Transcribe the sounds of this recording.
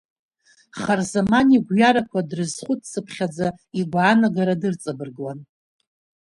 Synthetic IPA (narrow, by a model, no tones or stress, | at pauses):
χarzamaniɡʷjaɾakʷʰadrɨzχʷʊtʰsɨpʰχʲad͡zaiɡʷaːnaɡaɾadɨrt͡sʼɨbɨrɡlan